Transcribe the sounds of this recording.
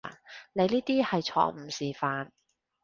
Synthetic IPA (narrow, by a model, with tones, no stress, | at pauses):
ne˨˧jniː˥t̪iː˥hɐ˨jt͡ʃʰɔ̰ː˧˥ŋm̩˨˩siː˨faː˧n